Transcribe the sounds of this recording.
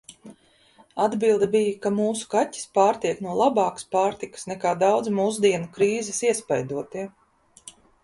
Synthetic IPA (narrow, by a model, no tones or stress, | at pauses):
ad̪bilˠd̪ɐbijakamuːsu̥katʲːi̥spaːɾt̪iɛknuɔlˠabɑːkḁspaːɾt̪ikə̥snɛkaːd̪awd̪zmuːzd̪iɛnukɾiːzɛsiɛspajd̪uɔt̪iɛ